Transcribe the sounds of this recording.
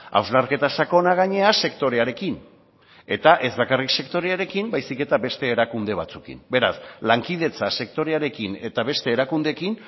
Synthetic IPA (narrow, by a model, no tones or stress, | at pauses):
a̰wzlaɾke̞t̪asako̞naɣ̞aɲe̞ase̞kt̪o̞ɾe̞aɾe̞kin | e̞t̪aʔe̞zβakarikse̞kt̪o̞ɾe̞aɾe̞kimbajsike̞t̪abe̞st̪e̞ːɾakund̪e̞β̞at͡sukḭmbe̞ɾa̰slaŋkið̞e̞t͡sase̞kt̪o̞ɾe̞aɾe̞kine̞t̪aβe̞st̪e̞ːɾakund̪e̞kin